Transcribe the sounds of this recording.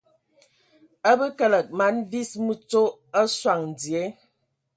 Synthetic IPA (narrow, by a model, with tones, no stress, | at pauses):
ə˦bə˦kə˦lə˨k̚ma˨˦nvi˦smu˦t͡so˦ə˦swa˨ŋn̩˨d͡zi˨e˨˦